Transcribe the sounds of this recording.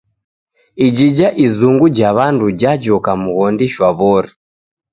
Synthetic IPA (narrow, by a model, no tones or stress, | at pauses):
id͡ʒid͡ʒaʔizuŋɡud͡ʒaβandud͡ʒad͡ʒɔkamuɣɔndiʃwaβɔɾi